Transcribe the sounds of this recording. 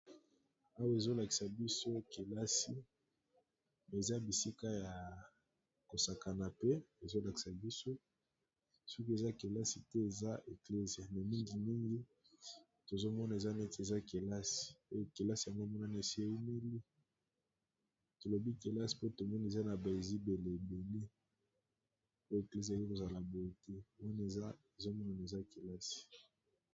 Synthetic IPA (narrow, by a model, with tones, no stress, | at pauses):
a˦wa˦e˨zo˦la˨ki̥˨sa˨bi˦so˦ke˨la˦si˦ | mɛ˨za˦bi˨si˦ka˦ja˨ | ko˨sa˨ka˨na˨pe˦e˨zo˦la˨ki̥˨sa˨bi˦so˦ | sɔ˦k̬i˦e˨za˦ke˨la˦si˨tɛ˦e˨za˦ʔe˨kle˦zja˨na˨mi˦ŋɡi˨mi˦ŋɡi˦ | to˨zo˦mɔ˦na˨e˨za˦nɛ˦te˨za˦ke˨la˦si̥˨o˦jo˨ke˨la˦si˨ja˨ŋɡo˦mɔ˦na˦ne˨si˦e˨i˦me˦li˦ | to˨lo˨bi˦ke˨la˦si̥˨po˦to˨mɔ˦n˨e˨za˦na˨ba˨e˨zi˦be˨le˨e˨be˨le˦ | po˦e˨kle˦zi˨a˨je˦ko˨za˨la˨bo˦jo˦tɛ˦wa˦n˦e˨za˦e˨zo˦mɔ˦na˨na˨e˨za˦ke˨la˦si̥˨